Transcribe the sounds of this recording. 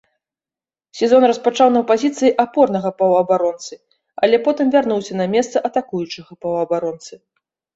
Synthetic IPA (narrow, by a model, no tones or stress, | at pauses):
sʲɛzɔnrɐspat͡ʂawnɐwpazʲit̪sɨjiʔapɔrnɐɣɐpɐwɐbaɾɔnt̪sɨ | ɐlʲɛpɔt̪ɨmvʲarnuwsʲɐnɐmʲɛst̪sɐʔɐt̪akujut͡ʂɨɣɐpɐwɐbaɾɔnt̪sɨ